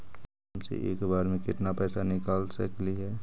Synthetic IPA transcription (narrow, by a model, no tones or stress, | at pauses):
msḛʔḛːkbaːɾmẽkɪʈnapɛːsanɪkaːlsəkliɦɛː